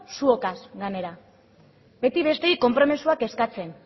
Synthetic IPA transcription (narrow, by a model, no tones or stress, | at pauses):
suokasɡane̞ɾa | be̞t̪iβe̞st̪e̞iko̞mpɾo̞misuake̞skat͡se̞n